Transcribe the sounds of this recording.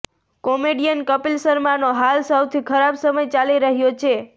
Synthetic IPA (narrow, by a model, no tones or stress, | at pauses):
komeɖijənkəpilsəɾmanoɦalsəwt̪ʰikʰəɾabsəməjt͡ʃaliɾəɦjot͡ʃʰe